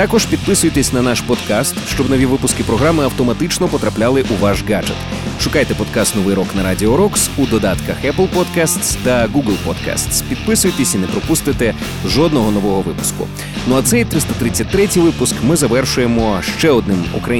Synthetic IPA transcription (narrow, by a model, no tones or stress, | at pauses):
t̪akɔʒpʲid̪̚pɪsʊjet̪esʲnɐnaʃpɔd̪kast̪ʃt͡ʃɔbnɔʋʲiʋɪpʊskɪpɾɔɦɾamɪɐwt̪ɔmɐt̪ɪt͡ʃnɔpɔt̪ɾɐplʲalˠɪʔuʋaʒɡad͡ʒet̪ | ʃʊkajt̪ɛpɔd̪kast̪nɔʋɪjɾɔknɐɾadʲiɔɾɔksud̪ɔd̪at̪kɐxɛplˠpɔd̪kast̪st̪ɐɡuɡl̩ˠpɔ̰d̪ka̰st̪spʲid̪pɪsʊjet̪esʲinɛpɾɔpust̪ɪt̪e | zʒɔd̪nɔɦɔnɔʋɔɦɔʋɪpʊ̥skʊ̰ | nɔɐt̪sɛjt̪ɾɪst̪ɐt̪ɾɪt͡sʲːɐtʲt̪ːɾɛtʲijʋɪpʊskmɪzɐʋɛrʃʊjemɔʃt͡ʃɛɔd̪nɪmṵkɾɐ